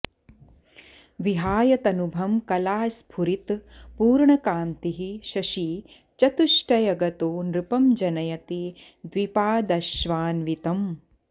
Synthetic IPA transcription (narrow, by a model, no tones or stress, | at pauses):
ʋiɦaːjɐt̪ɐnubʱɐmkɐlaːspʰuɾit̪puːɾɳɐkaːmt̪iɦiʃɐʃiː | t͡ʃɐt̪uʂʈɐjɐɡɐt̪oːnɾɪpɐmd͡ʒɐnɐjɐt̪i | d̪ʋipaːd̪ɐʃʋaːnʋit̪ɐm